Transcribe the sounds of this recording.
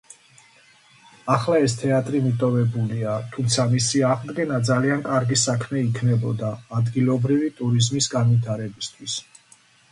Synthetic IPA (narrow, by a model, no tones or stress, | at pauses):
aχlaɛst̪ʰɛat̪ʼɾimit̪ʼɔvɛbuliat̪ʰumt̪sʰamisiaʁd̪ɡɛnad̪zaliankʼaɾɡisakʰmɛikʰnɛbɔ̰d̪aːd̪ɡilˠɔbɾivit̪ʼuɾizmisɡanvit̪ʰaɾɛbist̪ʰwis